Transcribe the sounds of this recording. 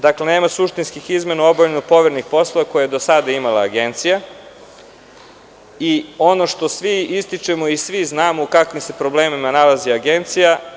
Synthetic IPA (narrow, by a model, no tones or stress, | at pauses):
d̪akle̞ne̞ːmasuʃt̪inskixizme̞nao̞boʎenopo̞ʋeɾnixpo̞slˠoʋako̞jajed̪o̞sad̪aimalˠaːɡe̞nt̪sija | io̞no̞ʃt̪o̞sʋiist̪it͡ʃe̞mo̞isʋiznaːmoukakʋimse̞pɾo̞bleːmimanalaziaɡe̞nt̪sija